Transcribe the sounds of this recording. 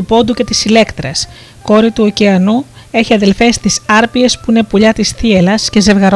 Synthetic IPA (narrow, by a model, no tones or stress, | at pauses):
upo̞d̪uce̞t̪isile̞kt̪ɾɐs | ko̞ɾit̪uoceɐnu | e̞çiɐðe̞lfe̞st̪isɐɾpie̞spuine̞puʎɐt̪isθielɐsce̞ze̞vɣɐɾ